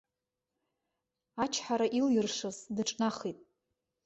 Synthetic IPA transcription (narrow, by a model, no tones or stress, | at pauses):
at͡ʃʰħaɾaʔiljɪrʂɨzdɨʈ͡ʂʼnaχitʼ